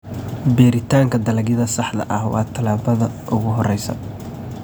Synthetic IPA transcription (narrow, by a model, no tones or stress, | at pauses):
bɛːɾɪt̪ʰaːŋkʰɐd̪ɐlɐɡjɪðɐsɑħd̪ɐ̰ʔɐhwɑ̰ːt̪ʰɐlaːβɐðɐʔʊɣʊɦɔrɛjsɐ̰